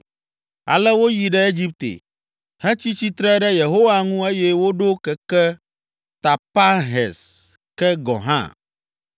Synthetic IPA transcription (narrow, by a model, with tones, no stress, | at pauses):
a̰˨lɛ˦wo˦ji˨ɖɛ˦e˦d͡ʑi˦p̚t̪ḛ˨ | hɛ̃˦t͡ɕi˦t͡ɕi˦t̪ɾɛ˦ɖɛ˦je˨ɦo˦wa˦ŋũ˦e˦jɛ˦wo˦ɖo˦kɛ˨kɛ˦ | t̪a˨pa˦ɦɛ̰˨s | kɛ˦ɡɔ̰̃˨ɦã̰˦